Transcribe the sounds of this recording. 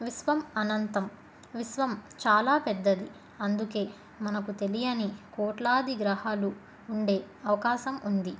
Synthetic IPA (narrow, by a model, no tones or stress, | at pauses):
ʋisʋɐmɐnɐnt̪ɐm | ʋisʋɐmt͡ʃaːlaːpɛd̪ːɐd̪i | ɐnd̪uke̞ː | mɐnɐkut̪e̞lijɐnikɔːʈlaːd̪ʱiɡɾɐhaːluː | ɳɖe̞ː | ɐʋɐkaːʃɐmund̪i